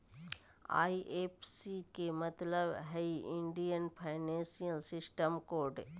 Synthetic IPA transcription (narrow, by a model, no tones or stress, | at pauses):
a̰ːiʔeːpsikemɐt̪ləbɦɛiʔɪ̃ɳɖijənpʰaɪnẽːnsijəlsɪsʈəmkoːɾɖ